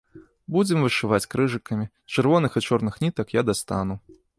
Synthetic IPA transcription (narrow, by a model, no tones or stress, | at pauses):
bud͡zʲɛmvɨʂɨvat͡sʲkɾɨʐɨkɐmʲi | t͡ʂɨrvɔnɨxɨt͡ʂɔrnɨxnʲit̪ɐkjad̪ast̪a̰nu